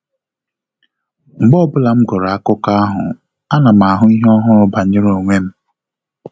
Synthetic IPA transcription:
ŋ͡m̩˨ɡ͡bɔ˦˨bʊ˦la˨m̩˦ɡɔ˨ɾa˨a˦kʊ˦ka˦a˦ɦʊ̰˨ | a˦na˨ma˨a˨ɦʊ˦i˦ɦɔ˦ɦʊ˦ɾʊ˨ba˨ɲɪ˦ɾo˨ŋʷe˦m̩˦

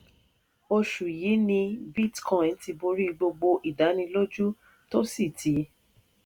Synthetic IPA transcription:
o˧ʃu˨ji˨˦nĩ˧bi˦˨tkɔ̃˦˨n̩˦ti˧bo˧ɾi˦˧ɡ͡bo˧ɡ͡bo˧ʔi˨da˨˦nĩ˧lo˦d͡ʒu˦ | to˦si˦˨tʰi˨˦

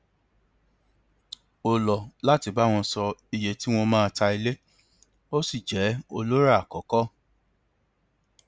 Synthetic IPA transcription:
o˨lɔ˨la˦ti˨˧˦ba˦w̃ɔ̃˧sɔ˧i˧je˨ti˨˦w̃ɔ̃˧mãː˦˧ta˧i˧le˦ | o˦si˦˨d͡ʒɛ˨˦o˧lo˦ɾa˦a˨kɔ˨˦kɔ˦

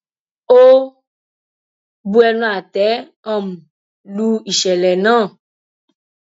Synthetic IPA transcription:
o˦ | bu˦ɛ˧nũ˦a˨t̪ɛ˨˦ | ɔ̃˦˨m̩˨ | lu˦i˨ʃɛ˨lɛ˨nãː˦˨

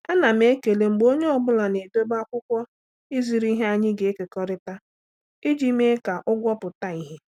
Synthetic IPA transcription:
a˦na˨me˦ke˨le˨ŋ͡m̩˨ɡ͡bo˦ɲe˦ɔ˨bʊ˦la˨ne˨do˦ba˦kʷʊ˦kʷɔ˦ | i˦zi˨ɾi˦ɦe˦a˦ɲɪ˦ɡe˨e˦ke˨kɔ˦ɾɪ˦ta˦ | ɪ˦d͡ʒi˦me˦ka˨ʔʊ˦ɡʷɔ˦pʊ˨ta˦i˦ɦe˦

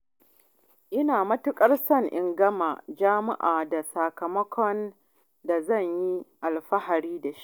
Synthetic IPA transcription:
ʔɪ˦naː˨mɐ˦tʊ˦kʼɐ˦rsɐ˦ŋʔɪ˨ŋɡɐ˦maː˨d͡ʒaː˦mɪ̰˦ʔaː˨da˨saː˨kɐ˨mɐ˦kʷʰɔ˦n | da˨zɐ˦˨ɲji˦ʔa˨lɸɐ˦ɦa˨ɽiː˦da˨ʃi̥˦ʔ

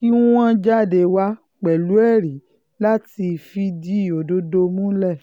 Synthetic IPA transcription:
ki˦ũ˦wã˦d͡ʒa˦˨de˨˧wa˦ | k͡pɛ˨lu˨˦ɛ˦˨ɾi˨˦ | la˦ti˧fi˧di˦˨o˨do˧˦do˧mũ˦lɛ˦˨

